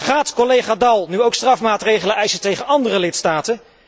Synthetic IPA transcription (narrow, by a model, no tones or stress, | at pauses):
χaːtkɔlejχaːdɑlˠnyowkstrɑfmaːtrejχələɛjsətejχənɑndərəlɪtstaːtən